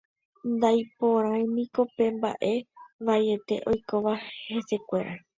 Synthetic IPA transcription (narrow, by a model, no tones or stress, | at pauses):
nd̪ajpo̞ɾ̃ãj̃mĩko̞pẽ̞mba̰ʔe̞ʋaje̞t̪e̞ʔo̞jko̞ʋahe̞se̞kʷe̞ɾʔa